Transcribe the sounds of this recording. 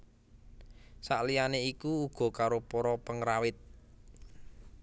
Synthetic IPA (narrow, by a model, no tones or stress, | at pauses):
saʔlijaneikuːɡ̥ɔ̤kaɾopoɾɔpəŋɾawɪt̪̚